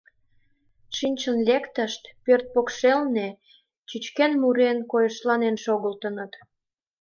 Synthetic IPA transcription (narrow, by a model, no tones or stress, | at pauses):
ʃinʲt͡ɕənlʲekt̪əʃt̪pørt̪̚pokʃelne | t͡ɕyt͡ɕkenmuɾenkojəʃlɑnenʃoɣəlt̪ənə̆t̪